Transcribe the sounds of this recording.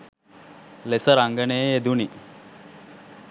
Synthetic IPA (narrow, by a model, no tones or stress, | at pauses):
lesəɾaŋɡəneːed̪uni